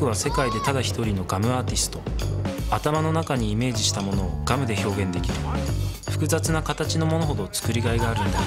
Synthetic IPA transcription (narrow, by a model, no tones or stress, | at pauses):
ɯ̟βase̞kaid̪e̞t̪ad̪açi̥t̪o̞ɾʲino̞ɡamɯ̟aːt̪ʲisɨ̥t̪o̞at̪amano̞nakaɲ̟iːme̞ːʑiɕi̥t̪amo̞noːɡ̥amɯ̟d̪e̞ço̞ːɡẽ̞nd̪e̞kʲiɾɯ̟ɸɯ̥kɯ̟zat͡sɨnakat̪at͡ɕino̞mo̞no̞ɦo̞d̪o̞t͡sɨ̥kɯ̟ɾʲiɡaiɡaːɾɯ̟̃nd̪a